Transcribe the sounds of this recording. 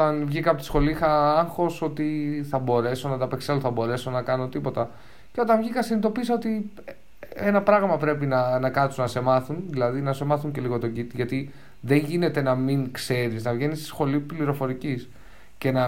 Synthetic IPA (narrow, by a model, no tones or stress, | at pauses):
ot̪ɐnvʝikɐpot̪i̥sxo̞lixɐɐŋxo̞so̞t̪iθɐbo̞ɾe̞so̞nɐt̪ɐpe̞kseluθɐbo̞ɾe̞so̞nɐkɐnot̪ipo̞t̪ɐ | ceo̞t̪ɐnvʝikɐsinit̪o̞pisɐo̞t̪i | enɐpɾɐɣmɐpɾe̞pinɐnɐkɐt̪sunɐse̞mɐθunðilɐðinɐse̞mɐθuɲce̞liɣo̞t̪o̞ɟit̪iʝɐt̪i | ðe̞ɲʝine̞t̪e̞nɐmiŋkse̞ɾiznɐvʝe̞nist̪i̥sxo̞lipliɾo̞fo̞ɾicis | ce̞nɐ